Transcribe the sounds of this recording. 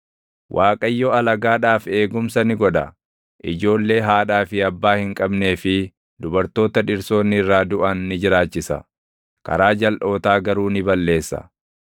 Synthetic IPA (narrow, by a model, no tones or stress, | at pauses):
wʔaːkʼɐjːɔɐlɐɡaːᶑaːfe̞ːɡʊmsɐnɪɡɔᶑɐ | ʔɪ̰d͡ʒo̞ːlːe̞ːɦaːᶑaːfɪɐbːaːhɪŋkʼɐbne̞ːfɪ | d̪ʊbɐɾt̪o̞ːt̪ɐᶑɪɾso̞ːnːɪrːaːd̪ʊʔɐnːɪd͡ʒɪɾaːt͡ʃːɪsɐ̰ | kɐ̰ɾaːd͡ʒɐlʔo̞ːt̪aːɡɐɾuːnɪbɐlːe̞ːsːɐ̰